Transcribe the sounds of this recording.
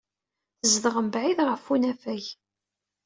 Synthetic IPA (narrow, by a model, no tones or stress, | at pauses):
θəzðəʁəmbʕiðʁəfːunæfæj